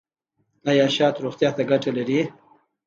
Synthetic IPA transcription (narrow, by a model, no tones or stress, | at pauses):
ajɑʃɑːt̪ɾoxt̪jɑt̪aɡaʈalaɾi